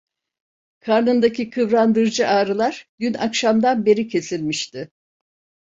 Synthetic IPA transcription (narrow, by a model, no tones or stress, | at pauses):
kʰaɾnɯnd̪acʰikʰɯvɾand̪ɯɾd͡ʒɯʔaːɾɯlˠaɾ̥ɟyna̰kʃamd̪anbe̞ɾicʰe̞silʲmiʃt̪ɪ